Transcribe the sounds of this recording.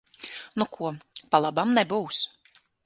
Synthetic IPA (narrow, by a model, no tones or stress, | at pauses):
nukʰuɔpalˠabamnɛbuːs